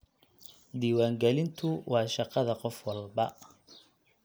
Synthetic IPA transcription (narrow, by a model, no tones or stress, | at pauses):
d̪iːwaːŋɡɛlɪnt̪ʰʊwɑːʃɑqɑðɐqɔfwɑlbɐ